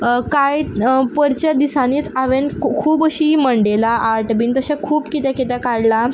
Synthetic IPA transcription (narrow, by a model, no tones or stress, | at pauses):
kajpəɾt͡ɕad̪isaniːt͡saʋenkʰuːbəɕiməɳɖelaʔaɾʈbiːnt̪əɕãkʰuːpkit̪ɛkit̪akaɽla